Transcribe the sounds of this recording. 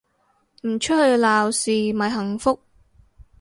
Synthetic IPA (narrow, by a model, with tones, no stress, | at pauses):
m̩˨˩t͡ʃʰɵ˥t̚hɵ˧ɥlaː˨wsiː˨mɐ˨˩jɦɐ˨˩ŋfʊ˥k̚